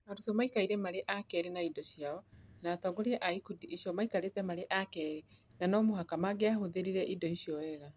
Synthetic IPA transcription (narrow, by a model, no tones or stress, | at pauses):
maɾusomaikaiɾɛmaɾeʔakɛɾenaidɔɕjaɔnaːtɔɡoɾeɛʔaikudiiʃiɔmaikaɾetɛmaɾeʔakɛɾenanɔmohakamaɡeaɦoðeɾiɾɛʔidɔiɕijɔɛɣa